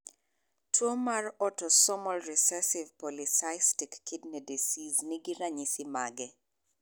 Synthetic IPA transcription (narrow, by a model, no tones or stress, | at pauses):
twomarɔtɔsɔmɔlɾisɛsɪvpɔlisajstikːɪdnɛdisiznɪɡɪɾaɲisɪma̰ɡɛ